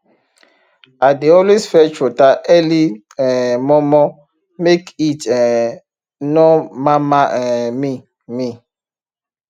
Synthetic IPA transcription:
adeɔlwesfɛt͡ʃotaʔɛli | ɛ̃mɔmɔ | mekitɛ | nɔmamaʔɛmi | mi

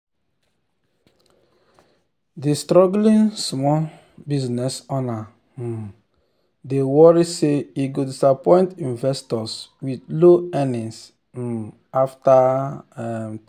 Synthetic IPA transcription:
distɾɔɡlĩnsmɔl | biznɛsɔna | dewɔɹiseiɡodisapɔ̃ɪ̃ntĩnvɛstɔswidloɛnĩs̩ | aftaɛm

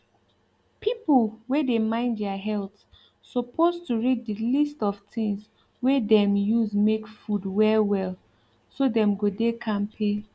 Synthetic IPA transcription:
pʰipl̩wɛdemãɪ̃ndɛaɦɛlt | sɔpʰoztuɹid̚dilistɔv̥tɪ̃ŋs | wɛdɛ̃mjuzmekfudwɛlwɛl | sodɛ̃mɡodekʰãmpʰe

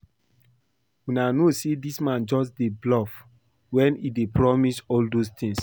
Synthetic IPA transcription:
winanosedismãnd͡ʒɔs̬deblɔf | wɛ̃nidepɹɔmisɔldost̪ĩŋs

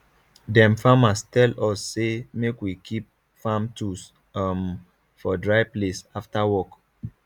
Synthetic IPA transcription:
dɛ̃mfamastɛlɔsːemekwikʰip̚ | fãmtus | am | fɔdɹaɪplesaftawɔk

